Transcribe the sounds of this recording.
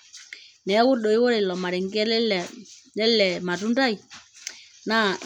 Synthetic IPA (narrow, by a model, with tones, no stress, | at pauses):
nɛ˨˦wʊ˦ɗo˨i˦wo˦ɾe˨lɔ˨ma˨ɾɛ˨ŋɡɛ˦˨ | lɛ˦lɛ˨ma˨tu˦nda˦i˨ | na˦˨